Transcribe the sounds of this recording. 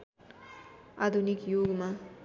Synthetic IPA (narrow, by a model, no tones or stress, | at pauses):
ad̪ʱunikjoɡma